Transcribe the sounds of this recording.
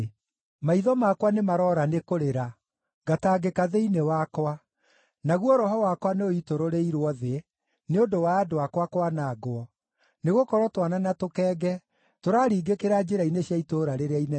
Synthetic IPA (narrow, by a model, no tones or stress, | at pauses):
maiðɔmakwanemaɾɔːɾanekoɾeɾa | ɡataːɡekaðeinewakwa | naɣwɔɾɔɦɔwakwaneoitoɾoɾeiɾwɔðe | neondowaːdowakwakwanaɡoɔ | neɣokɔɾwɔtwananatokɛːɡɛ | toɾaːɾiːɡekeɾad͡ʑeɾaineɕjaitoɾaɾeɾeaine